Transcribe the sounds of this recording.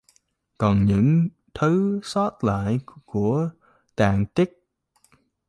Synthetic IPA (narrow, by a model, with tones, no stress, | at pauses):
kɔ˨˩nɲɨ̰˧˥ŋ | t̪ʰɨ˨˦sɔ˦˥t̚la̰ː˧˨jku˧˩ə | t̪aː˨˩ŋt̪i˦˥k̚